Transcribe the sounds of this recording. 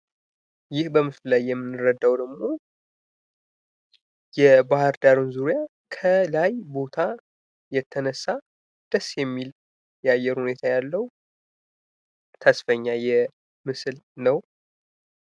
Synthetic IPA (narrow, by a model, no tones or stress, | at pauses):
jɪhbəmɨflajːɛmːɨnːɨɾəd̪ːawd̪əɡmo̞ | jɛbahəɾd̪aɾunzuɾja | kʰəlajbo̞t̪ʰa | jɛt̪ʰːənəsːa | d̪̥əsːjɛmːil | jajːɛɾhune̞t̪ʰajalːəwu | t̪ʰəsfəɲːajɛ | mɨsɨlnəw